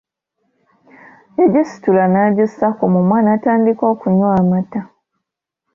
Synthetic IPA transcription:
eɟisi̥tulanaɟosakomumwaːnaːtaːndikoːkuɲwaːmata

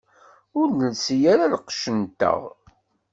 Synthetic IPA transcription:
ʊɾnəlsijaɾalqə̥ʃənt̪ə̰ʁ

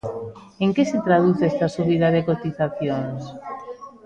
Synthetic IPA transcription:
eŋkeset̪ɾað̞uθest̪asuβiðaðekot̪iθaθjoŋs

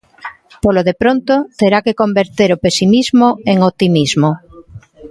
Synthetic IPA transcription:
poloðepɾont̪ot̪eɾakekombeɾt̪eɾopesimizmoeŋot̪imizmo

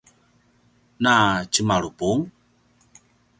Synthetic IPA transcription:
nat͡ʃimaɺupuŋ

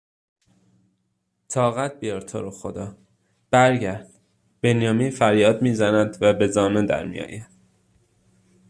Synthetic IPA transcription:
t̪ʰɒːɣæt̪̚bijɒɾt̪ʰo̰ɾoxod̪ɒː | b̥æɾɟæɾd̪̥ | b̥enjɒːminfæɾjɒːd̪miːzænæd̪væbe̞zɒːned̪æ̰ɾmḭjɒ̰ːjæd̪̥

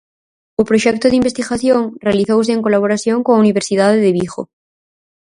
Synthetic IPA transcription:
opɾoʃɛk̚t̪oðimbest̪iɣaθjoŋrealiθows̬eːŋkolaβoɾaθjoŋkoŋauniβ̞eɾsið̞aðeðeβixo̰

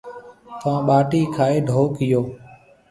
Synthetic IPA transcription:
t̪ãːɓaːʈiːkʰaːeːɖʱoːkɪjoː

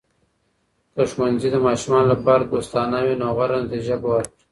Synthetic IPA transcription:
d̪̥əʃwanzid̪əmɑːʃumɑːnolapɑːɾad̪ost̪ɑːnawinoɣaɾand̪eʒabowaɾ

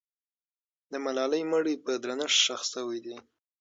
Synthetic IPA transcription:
d̪əmalɑləjməɽipəd̪ɾanəʂʃaxsawajd̪i

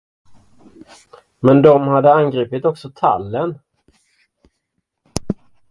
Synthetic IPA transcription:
mɛnd̪ɔmhad̪ːəanɡɾiːpɪt̪ɔksɔt̪ʰa̰lːən

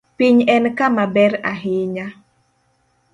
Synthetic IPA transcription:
piɲɛnkamabɛɾaɦɪɲa

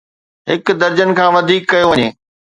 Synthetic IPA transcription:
ɦɪkd̪ɐɾd͡ʑən̆kʰãːʋɐd̪ʱiːkːɐjoʋɐɲeː

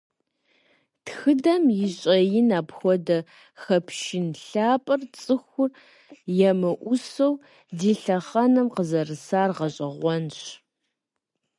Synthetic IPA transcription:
txɨdɐmjɪɕʼɐjɪnaːpxʷɔdɐ | xɐpʰʃɪnɬaːpʼɐrt͡sʼɨxʷʊr | jɛmɨʔʷʊsow | diːɬɐχɐnɨmqəzɐrɨsaːrʁɐɕʼɐʁʷɔnɕ

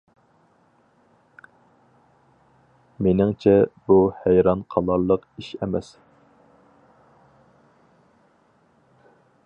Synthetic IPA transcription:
menɪŋt͡ʃʰɛb̥uhæjɾɑnqʰɑlˠɑɾlˠəqiʃɛmɛs

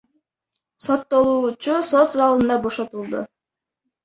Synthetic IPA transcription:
so̞t̪ːo̞lˠuːt͡ʃusot̪zɑlˠɯnd̪ɑbo̞ʃot̪ulˠd̪ʊ

